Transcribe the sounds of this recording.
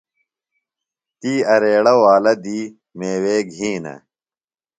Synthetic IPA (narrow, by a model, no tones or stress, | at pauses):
t̪iːɐɾeːɽɐwaːlɐd̪iː | meːweːɡʱĩːnɐ̰